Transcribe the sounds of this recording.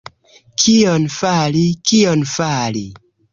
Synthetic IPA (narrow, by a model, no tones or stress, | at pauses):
kʰionfalikionfalḭ